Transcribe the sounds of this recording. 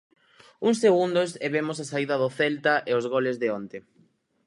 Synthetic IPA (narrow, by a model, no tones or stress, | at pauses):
uŋsːeɣund̪oseβemʊs̬asaiðɐðʊθɛlt̪aʔeozɣolezðɪont̪e